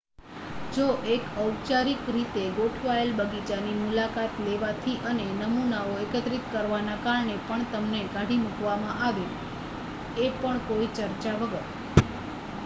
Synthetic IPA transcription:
d͡ʒoʔekəwt͡ʃaɾikɾit̪eɡoʈʰʋajəlbəɡit͡ʃanimulakat̪leʋat̪ʰiʔənenəmunaoekət̪ɾit̪kəɾʋanakaɾɳepəɳt̪əmneɡaɽimukʋamãʔaʋe | epəɳkoit͡ʃəɾt͡ʃaʋəɡəɾ

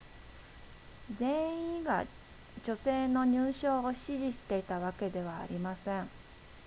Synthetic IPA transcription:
zẽ̞ɰ̃ĩɡa̰ | d͡ʑo̞se̞ːno̞ɲ̟ɨːɕo̞ːɕiʑiɕi̥t̪e̞it̪aβ̞ake̞d̪e̞β̞a̰ːɾʲimasẽ̞ɴ

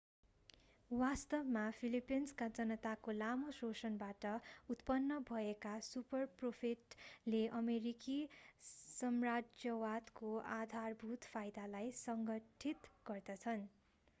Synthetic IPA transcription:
wast̪ʌbmapʰilipinskad͡zʌnʌt̪akolamososʌnbaʈʌut̪pʌnːʌbʱʌekasupʌrpropʰiʈleʔʌmeɾiki | sʌmrad͡zjʌwat̪koad̪ʱarbʱut̪pʰajd̪alajsʌŋɡʌʈʰit̪ɡ̥ʌrd̪ʌt͡sʰʌn

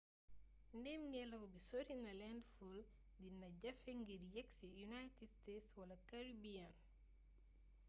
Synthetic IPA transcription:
ndɛmŋɛlɐkɔbisoɾinɐlɛndful | dinɐɟɐfɛŋɡiɾjɛksijunajtidstetswɐlɐkaɾibian

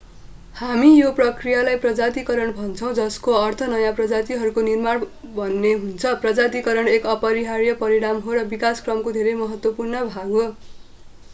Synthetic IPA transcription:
hamijoprʌkrijalajprʌd͡zat̪̬ikʌɾʌɳbʱʌnt͡sʰʌw̃d͡zʌskoʌrt̪ʰʌnʌjãprʌd͡zat̪iɦʌɾukonirmaɽbʱʌnːeɦunt͡sʰʌprʌd͡zat̪ikʌɾʌɳekʌpʌɾiɦaɾjʌpʌɾiɽ̃amɦoɾʌbikaskrʌmkod̪ʱeɾʌjmʌɦʌt̪wʌpurnʌbʱaɡo

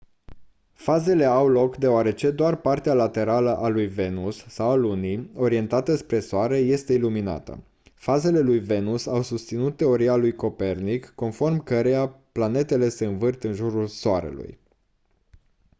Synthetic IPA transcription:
faze̞le̞awlo̞kd̪eoaɾe̞t͡ʃe̞d̪oarpart̪ealat̪e̞ɾaləʔalujve̞nusːawalunio̞ɾie̞nt̪at̪əspɾe̞soaɾe̞je̞st̪e̞ilumina̰t̪ə̰ | faze̞le̞lujve̞nusawsust̪sinut̪ːe̞o̞ɾialujko̞pe̞rnikːo̞nfo̞rmkəɾe̞japlane̞t̪e̞le̞se̞ɨnvɨrt̪ɨnʒuɾulsoaɾḛlṵj

